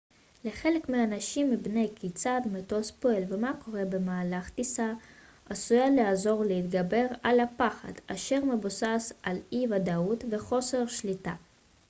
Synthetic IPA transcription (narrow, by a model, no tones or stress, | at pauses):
leχelekmeaːnaʃimːibnejkʰit͡sad̪mot̪ospoelvemako̞ʁebemaːlaχt̪isa | asujaleazo̞ʁleit̪ɡabe̞ʁalapaχa̰d̪̥aʃe̞ʁmebusasalivad̪aut̪ve̞χo̞seʁʃlit̪a